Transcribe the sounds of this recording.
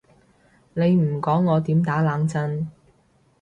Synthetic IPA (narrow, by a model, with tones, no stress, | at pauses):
ne˨˧jm̩˨˩kɔː˨˥ŋːɔː˨˧t̪iː˨˥mt̪aː˨˥laː˨˧ŋt͡sɐ˧n